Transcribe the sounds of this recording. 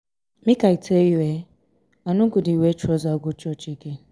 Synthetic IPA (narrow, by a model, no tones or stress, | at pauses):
mikaitejiwe | anʊɡʊdiwet͡ʃɔzaɔɡʊt͡ʃɔt͡ʃike